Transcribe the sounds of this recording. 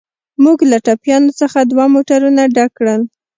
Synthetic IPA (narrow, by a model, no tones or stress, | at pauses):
muɡlaʈɑpjɑnosəxad̪wamoʈaɾunaɖakːɽəl